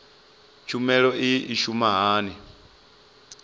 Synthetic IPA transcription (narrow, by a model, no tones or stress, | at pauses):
t͡ʃʰumɛɺɔiːʃumaɦaːni